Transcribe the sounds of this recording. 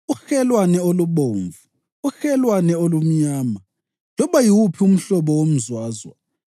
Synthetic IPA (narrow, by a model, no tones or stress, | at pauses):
uxɛlwanɛoluβoːɱvu | uxɛlwanɛolum̩ɲaːma | lɔβajiwupʰium̩ɬɔβɔwom̩zwaːzwa̰